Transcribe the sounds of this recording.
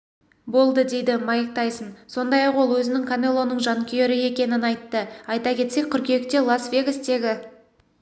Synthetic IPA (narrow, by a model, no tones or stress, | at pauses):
bo̞lˠd̪əd̪e̞jd̪ɪmɑjək̚t̪ɑjsənso̞nd̪ɑjɑqwo̞lˠwɵzɪnɪŋkʰamʲe̞lˠːo̞nːəɴʒɑŋkʲʰeɾɪe̞kʲe̞nɪnɑjt̪ːəɑjt̪ɑkʲʰe̞t̪se̞k̚ʲʰːʏɾkʲʰekt̪e̞lˠasvʲe̞ɡʲəst̪e̞ɡʲɪ